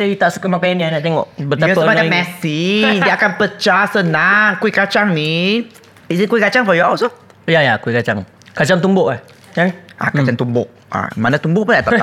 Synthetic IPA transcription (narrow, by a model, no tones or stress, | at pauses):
səit̪asəkəmakaandianat̪ɛŋɔ̰ʔbədt̪apamanamɛsidiakanpət͡ʃasənaŋkwikat͡ʃaŋni | isikuikat͡ʃaŋfɔjɔwsɔ | jajakuikat͡ʃaŋ | kat͡ʃaŋt̪umbʊʔlah | jaʔa̰kat͡ʃaŋt̪umbʊʔ | a̰manat̪umbʊʔpʊnat̪aa